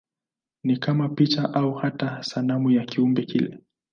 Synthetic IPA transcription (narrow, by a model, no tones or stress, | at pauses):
nikamapit͡ʃaʔauhatasanamujakiumbɛkilɛ̰